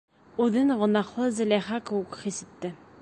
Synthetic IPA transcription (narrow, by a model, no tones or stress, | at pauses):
ʉðɘŋʁŏnɑχlˠɤzɘ̆lʲæχakɘ̆wɘkχisɘ̆t̪ːɘ